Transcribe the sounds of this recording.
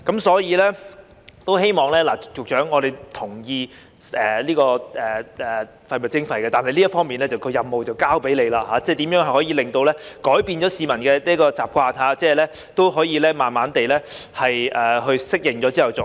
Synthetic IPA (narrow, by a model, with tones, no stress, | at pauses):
kɐ˨˥msɔː˨˥jiː˨˧lɛː˥ | t̪o˥whe˥jmɔː˨˩ŋlɛː˥laː˨˩jʊ˨k̚t͡ʃœː˨˥ŋɔː˨˧d̪e˨jt̪ʰʊ˨˩ŋjiː˧ | ʔɛː˨liː˥kɔː˧ʔɛː˨ɛː˨˩ | fɐ˧jmʊ˨t̚t͡sɪ˥ŋfɐ˨˩jkɛː˧t̪aː˨nɦɐ˨jliː˥tfɔː˥ŋmiː˨nlɛː˥t͡sɐ˨wkʰɵ˨˧ɥjɐ˨mːo˨wt͡sɐ˨wkaː˥wpe˨˥jle˨˧jlaː˧haː˨˥t͡sɛː˥˩t̪iː˨˥mjœː˨˥ŋhɐ˨jhɔː˨˥jiː˧lɪ˨ŋt̪o˧wlɛː˥kɔː˨˥jpiː˨˧nt͡ʃɔː˨˥siː˨˧mɐ˨˩nkɛː˧liː˥kɔː˧t͡sa̰ː˨p̚kʷaː˧t̪ʰaː˨˥t͡sɛː˥˨lɛː˥ | t̪o˥wɦɔː˨˥jiː˧lɛː˥maː˨nmaː˨˥nt̪e˨jlɛː˥hɐ˨jʔɛː˨ɦɵ˧ɥsɪ˥k̚jɪ˨˩ŋɔː˨˥t͡siː˥hɐ˨wt͡sʊ˨˩